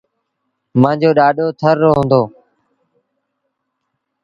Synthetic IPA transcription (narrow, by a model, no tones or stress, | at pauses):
mãːd͡ʑoːɗaːɗoːt̪ʰəɾːoːɦʊ̃nd̪oː